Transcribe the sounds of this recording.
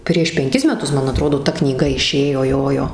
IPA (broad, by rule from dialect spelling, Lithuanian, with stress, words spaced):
pʲrʲiɛʃ pʲɛŋʲˈkʲɪs mʲɛˈtʊs ˈmɐn ɐˈtroːdoː ˈtɐ knʲiːˈɡɐ ɪˈʃʲeːjoː ˈjoːjoː